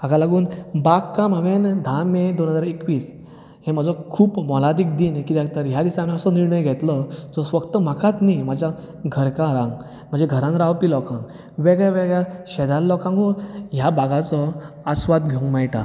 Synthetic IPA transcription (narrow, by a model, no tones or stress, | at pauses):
aɡalaɡuːnbaɡkːãmaʋend̪ʱamed̪onɦəd͡zaɾekʋiːs | hẽmad͡zʱɔkʰuːpmɔlad̪ik̚d̪iːnkit̪jãkt̪əɾɦjad̪isãmeəsɔniɾɳəjɡʱɛt̪lɔd͡zɔsʋəkt̪əm̤akʰat̪nimad͡ʑʱja | ɡʱəɾkãɾãŋɡ | m̤ə̃nd͡ʑeɡʱəɾãnɾawpilɔkãŋɡ | ʋeɡɭjaʋeɡɭjaɕɛd̪allːɔkãŋɡojabaɡat͡sɔ | əsʋad̪̚ɡʱeŋɡmajʈa